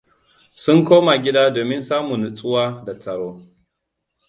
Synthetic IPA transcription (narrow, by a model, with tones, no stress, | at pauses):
sʊ˦ŋkoː˦ma˨ɡʲɪ˦da˦doː˨mɪ˦nsaː˦mu˨n˨t͡sʼʊ˦waː˦da˨t͡sʼɐ˨ɽoː˦